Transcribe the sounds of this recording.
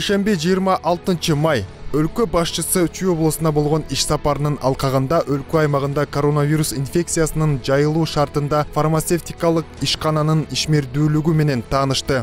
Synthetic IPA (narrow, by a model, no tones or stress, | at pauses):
eʃembed͡ʒijəɾmɑʔɑlˠt̪ɯnt͡ʃɯmɑjølkø̞bɑʃt͡ʃɯsɯt͡ʃʰyjo̞blˠəsɯnd̪ɑbo̞lˠʁo̞niʃsɑpɑɾɯnɯnɑ̰lˠqɑʁɯnd̪ɑʔølkøɑjmɑʁɯnd̪ɑko̞ɾo̞navʲiɾusinfʲe̞k̚t̪sɨjasɯnɯnd͡ʒɑjɯlˠuːʃɑɾt̪ɯnd̪ɑfarmat̪seft̪ʲikɑlˠɯqiʃqɑnɑnɯniʃme̞ɾd̪yːlyɡyme̞ne̞nt̪ʰɑːnɯʃt̪ɯ